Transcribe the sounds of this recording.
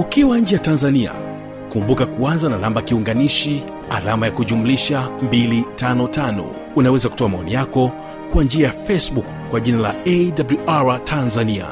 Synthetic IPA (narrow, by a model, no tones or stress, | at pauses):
ukiwaɲ̩d͡ʒɛjatanzania̰ | kumbukakuanzanalambakiuŋɡaniʃi | a̰lamajakuʄumuliʃambilitanɔtanɔ̰ | unawɛzaku̥tɔamaɔnijakɔ | kwand͡ʒiajafɛsbukːwaʄinalaɛdabluʔaɹatʰanzania̰